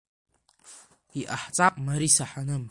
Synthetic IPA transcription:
iʔaħt͡sʼapʼmaɾisaħanɨm

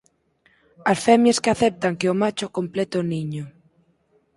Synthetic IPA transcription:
asfɛmjeskɪaθɛp̚t̪aŋkeʊmat͡ʃʊkomplɛt̪oniɲʊ

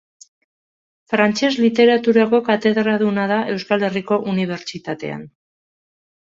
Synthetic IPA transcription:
fɾant͡ʃe̞zlit̪e̞ɾat̪uɾako̞kat̪e̞ðɾaðunaðaʔe̞wskale̞riko̞ʔuniβ̞e̞ɾt͡ʃit̪at̪e̞̰a̰n

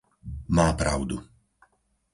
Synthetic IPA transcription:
maːpɾaʊd̪u

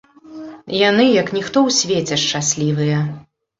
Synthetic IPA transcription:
janɨjɐknʲixt̪ɔwsʲvʲet͡sʲɛʂt͡ʂasʲlʲivɨjɐ

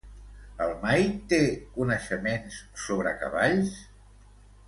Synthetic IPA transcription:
əlˠmajt̪ekunəʃəmenssoβɾəkə̰βaʎs

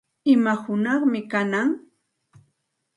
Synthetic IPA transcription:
ɪmahʊnɑχmɪkanaŋ

